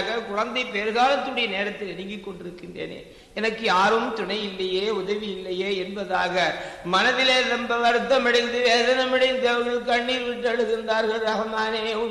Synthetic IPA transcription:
ɣɐkʊɻɐnd̪ɐɪpeːɾɣaːlɐt̪ːɯnʊɽɐjɐneːɾɐt̪ːɪlɛnɪŋɡɪkːɔɳɖɪɾɯkːɪndrḛːnḛː | ɛnɐkːɯjaːɾɯmt̪ʊɳɐɪjɪlːɐjeːʊðɐʋɪjɪlːɐjeːɛnbɐðaːɣɐmɐnɐðɪleːðɐmbɐʋɐɾɯt̪ːɐmɪɽɐɪnd̪ɯʋeːðɐnɐmɪɽɐɪnd̪ɐʋɐɣɐɭkːɐɳːiːɾʋɪʈːɐɻɯɣɯnd̪aːɾɣɐɭɾɐɣɐmaːneː

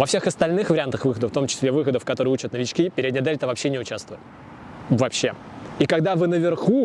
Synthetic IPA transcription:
vɐfsʲexɐst̪ɐlʲnɨxvəɾʲɪant̪əxvɨxəd̪əft̪o̞mt͡ɕɪ̥sʲlʲevɨxəd̪əfkɐt̪o̞ɾɨjəut͡ɕət̪nəvʲɪt͡ɕkʲipʲɪɾʲɪd̪ʲnʲɪd̪elʲt̪əvɐpɕːenʲɪʊt͡ɕast̪vʊjt̪ | vɐpɕːe̞ | ikɐɡd̪avɨnəvʲɪrxu

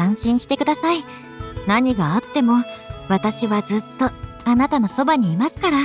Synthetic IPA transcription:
ãɰ̃ɕĩɰ̃ɕi̥t̪e̞kɯ̟d̪asai | naɲ̟iɡaːt̪ːe̞mo̞βat̪aɕiβazɨt̪ːo̞ | anat̪ano̞so̞baɲ̟iːmasɨ̥kaɾa

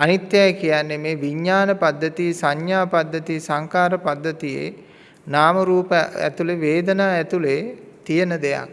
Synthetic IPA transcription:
anit̪jajkijanːemeːʋiɲːaːnəpad̪ːət̪isaɲjaːpad̪ːət̪isaŋkaːɾəpad̪ːət̪ijḛ | naːməɾuːpəæ̰t̪uleʋeːd̪ənaːɛt̪ulet̪ijənəd̪eja̰k̚

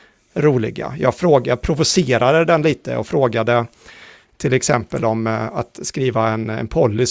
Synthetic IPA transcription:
ɾuːlɪ̰ɡa̰jɑːɡfɾoːɡapʰɾʊvʊseːɾad̪əd̪ɛnliːt̪ə̰ɔ̰fɾoːɡad̪ə | t̪ʰɪlɛksɛmpəlɔma̰t̪skɾiːvaɛnɛ̰npʰɔlːʏs

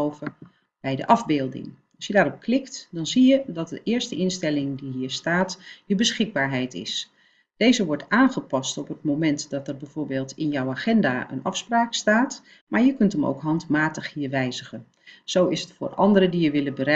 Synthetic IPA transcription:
owvə | b̥ɛjdə̰ʔɑvbɪːlˠdɪ̰ŋ | ɑlˠsjədaːɾɔp̚klɪktdɑnzijədɑt̚dəʔɪːɹstəʔɪnstɛlɪŋdiɦiːɹstaːtjəbəsχɪɡ̚baːɹɦɛjtɪ̰s | d̥ejzəʋɔɹtaːnχəpɑstɔpətmomɛntdɑtərbɛjv̥oːɹbeːlˠtɪnjɔwaːχɛndaːʔə̰nɑfspraːkstaːt | maːɹjəkɵntəmo̰wkɦɑntmaːtəχɦiːɹʋɛjzəχən | z̥owɪsətfʊ̰ːrʔɑ̰ndəɾədijəʋɪləbəɾɛ

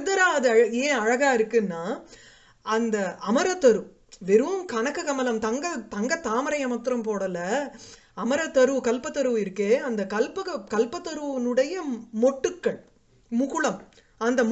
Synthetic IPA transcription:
d̪ɐɾaːɐðɯɐɻɐeːɐɻɐɣaːɪɾɯkːɯnːaː | ɐnd̪ɐɐmɐɾɐt̪ːɐɾɯ | ʋɛɾɯʋɯmkɐnɐkːɯkɐmɐlɐmt̪ɐŋɡɐt̪ɐŋɡɐt̪aːmɐɾɐjɐmɐt̪ːɾɐmpoːɽɐlɐ | ɐmɐɾɐt̪ːɐɾɯʋkɐlpɐt̪ːɐɾɯʋɪɾɯkːeːɐnd̪ɐkɐlpɯkɐkɐlpɐt̪ːɐɾɯʋɐnɯɽɐjɐmɔʈːɯkːɐɭ | mʊɣɯɭɐm | ɐnd̪ɐm

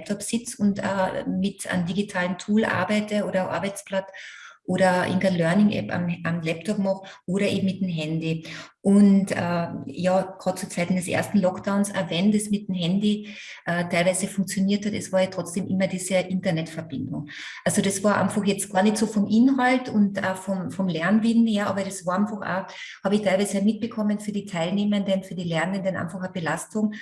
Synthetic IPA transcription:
lɛp̚tʰɔpsɪt͡sʊntɛ̰ːmɪta̰ndiɡitʰaːləntʰuːlʔa̰ɐbaɪtəoːɾɐʔa̰ɐbæɪt͡spl̥atʔoːɾɐʔɪ̰ŋɡalœɐnɪŋʔɛ̰pa̰mʔamlɛp̚tʰɔpmɑχʔoːɾɐʔḛːbm̩mɪtemɦɛndiʔʊntʔɛːjaːɡ̥ʁɑːt̚t͡suɐt͡saɪtn̩dɛsʔḛɐstn̩lɔkd̥aʊnsɐ̰ɐvɛndɛsmɪt̚mɦɛndi | ʔɛːtʰaɪlvæɪzəfʊŋk̚t͡sjoniːɐthatɛ̰sv̥aːɐjatʁ̥ɔt͡sd̥eːmʔɪmɐdiːz̥əʔɪntɐnɛtfɛɐb̥ɪndʊ̰ŋ | ʔalz̥odasv̥aːɐʔa̰ɪnfaχjɛt͡stɡ̥aːɐnɛçtsoːfɔmʔɪnɦaltʊnta̰fɔmfɔmlɛɐnvɪnjaʔɑːbɐɾasv̥aːɐʔaɪnfaχʔa̰ː | haːbəɪçtʰaɪvæɪzəamɪt̚b̥əkʰɔmənfyːɐdiːtʰaɪlneːməndənfyːɐdiːlɛɐnəndənʔa̰ɪnfaχab̥elastʊŋ

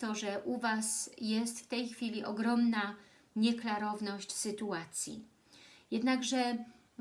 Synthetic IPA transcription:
t̪ɔʐɛʔuvasjɛst̪ft̪ɛjxfʲilʲiʔɔɡɾɔmna | ɲɛklaɾɔvnɔɕt͡ɕsɘt̪uat̪sʲjḭ | jɛd̪naɡʐɛ

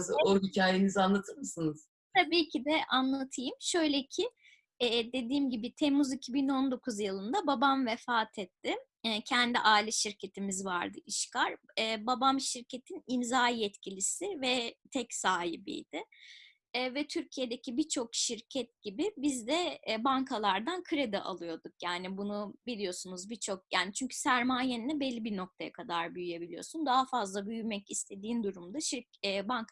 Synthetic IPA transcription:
zoɦicʰaːjenizanlˠat̪ʰɯɾmɯsɯnɯz̥ | t̪ʰabiːcʰid̪ɛanlˠat̪ʰɯjɯmʃø̞jlʲecʰɪ | ɛːd̪e̞d̪iːmɟibɪt̪ʰemuzicʰibino̞nd̪o̞kʰuzjɯlˠɯnd̪ababamvɛfaːt̪ʰɛt̪ʰːɪ | cʰɛnd̪iʔaːilʲɛʃiɾcʰe̞t̪ʰimizva̰ɾd̪ɯʔiʃkaɾɛːbabamʃiɾcʰet̪ʰinimzaːjɛt̪cʰilʲisɪvɛt̪ʰɛcsaːɦḭbḭjd̪̥ɪː | vɛt̪ʰyɾcʰijed̪e̞cʰibit͡ʃʰo̞kʃiɾcʰɛt̪̚ɟibɪbizd̪ɛbankʰalˠaɾd̪ankʰɯɾed̪ɛʔa̰lˠɯjo̞d̪uk̚jaːnibunubilʲijo̞sunuzbit͡ʃʰo̞k̚jaːnit͡ʃʰyɲcʰy̥sæɾmaːjeninʲɛbelʲːibino̞k̚t̪ʰaja̰kʰad̪aɾbyjyje̞bilʲijo̞̰sund̪aɦafazlˠabyjymɛcist̪ʰe̞d̪iːnd̪uɾumd̪aʃiɛːbaŋk

